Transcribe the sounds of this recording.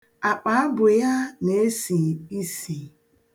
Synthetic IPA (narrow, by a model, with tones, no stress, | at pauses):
a˨k͡pa˨˦a˦bʊ˨ja˦ne˨e˦si˨i˦si˨